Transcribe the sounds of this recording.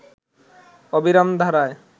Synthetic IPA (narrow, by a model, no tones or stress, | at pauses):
obiɾamd̪ʱaɾae